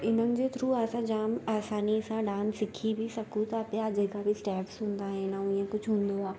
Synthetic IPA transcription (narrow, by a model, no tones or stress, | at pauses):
ɪn̤ənɪ̆d͡ʑeːt̪ʰɾuːaːsãd͡ʑaːmaːsaːnisãɖãːnsɪkʰibʱisɐkʰũt̪ɐːpjad͡ʑeːkabʱɪsʈɛːpsɦũːn̆d̪aɦenaʊ̃ẽkʊd͡ʑʱɦũːnd̪oaː